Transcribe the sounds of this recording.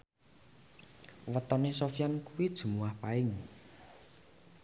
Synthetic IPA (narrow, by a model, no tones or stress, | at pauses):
wət̪ɔnesofijankuwid̥ʒ̥ṳmuwahpaɪŋ